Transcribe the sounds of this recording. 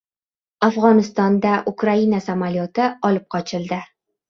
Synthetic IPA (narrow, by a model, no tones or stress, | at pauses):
afʁɒnɪst̪ɒnd̪aʔʊkɾainasamaljɒt̪ɪɒlɪp̚qʰɒt͡ʃʰɪld̪ɪ